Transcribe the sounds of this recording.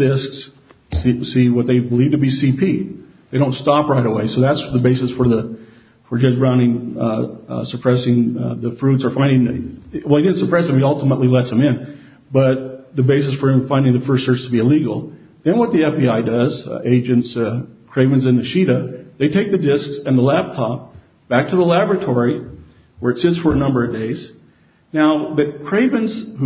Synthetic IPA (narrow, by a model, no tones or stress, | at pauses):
dɪsks | siwʌt̪̚ðeɪbəlivtɨbisipʰi | ðeɪɾõʊ̃ntstɑpɹaɪɾəweɪsoʊðætsðəbeɪsɨsfə˞ðə | fə˞d͡ʒʌsb̥ɹãʊ̃ndɪ̃ŋ | səpʰɹ̥ɛsɪ̃ŋðɨfɹʉtsə˞fãɪ̃ndɪ̃ŋwɛlˠidɪdⁿn̩səpʰɹ̥ɛsɨ̃mɨɾʌlˠtəməʔˡlilɛtsɨ̃mɪ̃n | b̥ʌt̪̚ðɨbeɪsɨsfə˞ɨ̃ɱfãɪ̃ndɪ̃ŋðɨfɜ˞sɜ˞t͡ʃstʰəbiɨliɡl̩ˠ | ðɨ̃nwʌt̪̚ðiɛfb̥iaɪdʌzeɪd͡ʒɨ̃ntskʰɹ̥eɪvɨ̃nzɨ̃nðɨʃiɾɨðeɪtʰeɪk̚ðɨdɪsksɨ̃nðəlæp̚tʰɑp̚ | b̥æk̚tʰɨðəlæbɹɨtʰɔɹi | wə˞ɨtsɪtsfə˞ɨnʌ̃mbə˞ʌvdeɪz̥ | naʊðɨt̚kʰɹ̥eɪvɨ̃nz̥hu